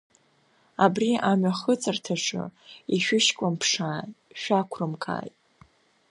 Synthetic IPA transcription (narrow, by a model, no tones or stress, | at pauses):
abriʔamaχət͡sʼartʰaʂɨ̰iʃᶣʊʃkʷʼampʰʂaːʃᶣakʷʰrɨmkʰʼa̰ːjtʼ